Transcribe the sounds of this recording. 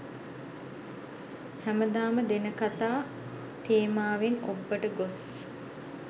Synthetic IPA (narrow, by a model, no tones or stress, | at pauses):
hæməd̪aːməd̪enəkat̪aː | t̪eːmaːʋenobːəʈəɡos